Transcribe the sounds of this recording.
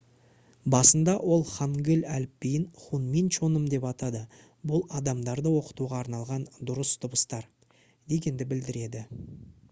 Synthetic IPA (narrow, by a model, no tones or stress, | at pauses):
bɑsənd̪ɑwʔo̞lˠχɑŋɡʲɪlʲælpːijɪnχunmint͡ʃonəmd̪e̞pɑt̪ɑd̪ə | bʊlˠɑd̪ɑmd̪ɑɾd̪əwo̞qə̥t̪uʁɑːɾnɑlˠʁɑnd̪ʊɾəst̪ʰʊbəst̪ɑɾ | d̪e̞ɡʲe̞nd̪ɪbɪld̪ɪɾe̞d̪ɪ